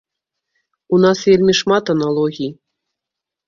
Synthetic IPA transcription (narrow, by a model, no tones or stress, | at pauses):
unɑsvʲelʲmʲiʂmat̪ɐnalˠɔɣʲij